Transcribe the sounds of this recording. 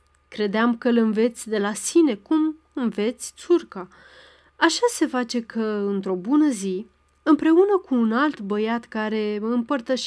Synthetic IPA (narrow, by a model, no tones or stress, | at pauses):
kɾe̞d̪eamkəlɨnve̞t̪sʲd̪e̞lasine̞kum | ɨnve̞t̪sʲt̪surka | aʃase̞fat͡ʃe̞kʰəɨnt̪ɾo̞bunəzi | ɨmpɾe̞unəkuːnalt̪bəjat̪kaɾe̞ɨmpərt̪əʃ